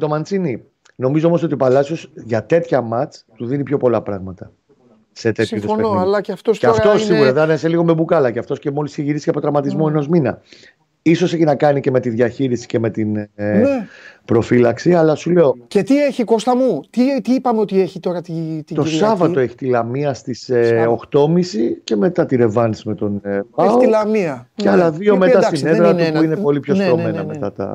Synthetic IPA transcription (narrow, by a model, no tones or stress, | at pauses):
t̪o̞mɐnt͡sini | no̞mizoo̞mo̞sot̪iopɐlɐsosʝɐt̪e̞t̪çɐmɐt͡st̪uðinipço̞po̞lɐpɾɐɣmɐt̪ɐ | se̞t̪e̞t̪çuðsoɐlɐceɐft̪ostɐftt̪o̞ssiɣɣuɾɐðneseliɣo̞me̞bukɐlɐceɐft̪o̞scemo̞lisiçeʝiɾisi̥cɐpootɾɐmɐt̪izmo̞e̞no̞zminɐ | iso̞se̞çinɐkɐnice̞me̞t̪iðʝɐçiɾisi̥ce̞me̞t̪in | pɾo̞filɐksiɐlɐsule̞ocet̪ieçiko̞st̪ɐmut̪it̪iipɐmeot̪ieçit̪o̞ɾɐt̪it̪it̪o̞sɐvɐt̪o̞e̞çi̥t̪ilɐmiɐst̪iseo̞xt̪o̞misice̞me̞t̪ɐt̪iɾe̞vɐnsime̞t̪o̞nvɐot̪ilɐmiɐceɐlɐðiomeɐssɐk̪sineðeɾɐuuinepo̞lipço̞somenɐnet̪ɐt̪ɐ̰